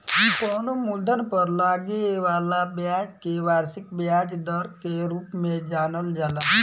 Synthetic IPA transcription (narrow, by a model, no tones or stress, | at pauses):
ɦkɔːnomuld̪ʱənpəɾlaːɡeʋaːlabjaːd͡ʒkeʋaːɾsɪkbjaːd͡ʒd̪əɾkeɾuːpmẽd͡ʒaːnəld͡ʒaːla